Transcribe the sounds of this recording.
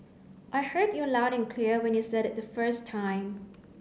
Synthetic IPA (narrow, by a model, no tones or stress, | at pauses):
ʔaɪhɜdjulaʊɾɛ̃nkʰliɹwɛ̃njusɛɾɛt̚ðəfɜ˞stʰːãɪ̃m